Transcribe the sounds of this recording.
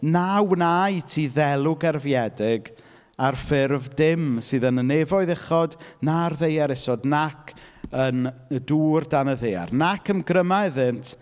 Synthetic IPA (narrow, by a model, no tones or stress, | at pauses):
nawnajtʰiːðɛlˠʊɡɛrvjɛdɪɡ | arfɪrvdɪmsɨːðənənevɔɨðɛχɔdnarðejaɾɛsɔdnakʰ | ənəduːrdanəðeja̰rnakʰənɡrəmaɛðɨntʰ